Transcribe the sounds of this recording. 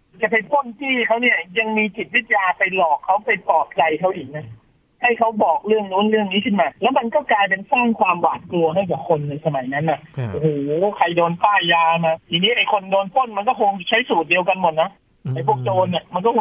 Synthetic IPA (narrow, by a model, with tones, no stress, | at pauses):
t͡ɕa˨˩pa˧jt̪o˥˩nt̪ʰiː˥˩kʰa˦˥wni˥˩ɐja˧ŋmiː˧t͡ɕi˨˩t̪̚wi˦˥t̪̚jaː˧pa˧jlɔː˨˩kʰːa˦˥wpa˧jpɔː˨˩t̪̚t͡ɕa˧jkʰa˦˥wʔiː˨˩k̚na˦˥ | ha˥˩jkʰa˦˥wbɔː˨˩k̚ɾɯ˥˩əŋluː˦˥nɾɯ˥˩əŋniː˦˥kʰɯ˥˩nmaː˧lɛː˦˥wma˧nkɔː˥˩klaː˧ja˧ŋsaː˥˩ŋkʰwaː˧mwaː˨˩t̪̚klu˧ɐha˥˩jkaː˨˩kʰo˧nːa˧jsa˧ma˨˩˦jna˦˥nʔa˨˩ʔu˧hoː˨˩˦kʰa˧jdoː˧nt̪aː˥˩aː˧maː˧t̪ʰiː˧niː˦˥ʔa˨˩jkʰo˧ndoː˧np̪ʰo˥˩nma˧nkɔː˥˩kʰo˧ŋ˨˩t͡ɕʰa˦˥jsuː˨˩t̪̚di˧ə˧wka˧nmo˨˩t̪̚na˦˥ | ʔa˨˩jpʰu˥˩ək̚t͡ɕoː˧nːi˨˩ma˧nkɔː˥˩˧